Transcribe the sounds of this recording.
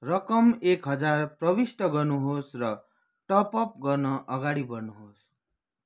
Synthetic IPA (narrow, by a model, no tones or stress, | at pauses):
rʌkʌmekɦʌd͡zarprʌbisʈ̪ʌɡʌrnuɦosrʌ | ʈʌpʌp̚ɡʌrnʌʔʌɡaɽibʌrnuɦos